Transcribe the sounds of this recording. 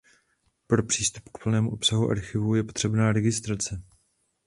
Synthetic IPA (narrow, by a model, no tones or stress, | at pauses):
pɾo̞pr̝̥iːst̪u̥pkpl̩nɛːmuʔo̞psaɦuʔa̰ɾxɪvujɛpo̞̥t̪r̝̥ɛbnaːɾɛɡɪst̪ɾat͡sɛ